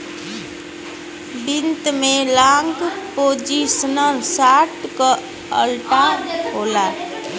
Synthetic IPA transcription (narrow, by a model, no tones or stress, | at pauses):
bint̪melãŋɡpod͡ʒisənəɾsaʈkə | ə̰lʈaɦola